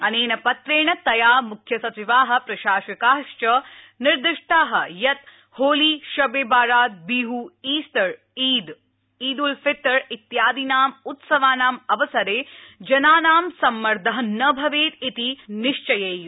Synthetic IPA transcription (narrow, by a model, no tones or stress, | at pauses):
ɐneːnɐpɐt̪ɾeːɳɐt̪ɐjaːmukʰjɐsɐt͡ʃiʋaːɦɐ̆pɾɐʃaːʃɐkaːʂt͡ʃɐ | niɾd̪ɪʂʈaːɦɐ̆jɐt̪ | hoːliːʃɐbeːbaːɾaːt̪̚biːɦuiːst̪ɐɾ | iːd̪ | iːd̪ulfet̪ːɐɾit̪jaːd̪inaːmut̪sɐʋaːnaːmɐʋɐsɐɾeːd͡ʒɐnaːnaːmsɐmːɐɾd̪ʱɐɦɐnɐbʱɐʋeːt̪it̪iniʂt͡ʃɐjeːju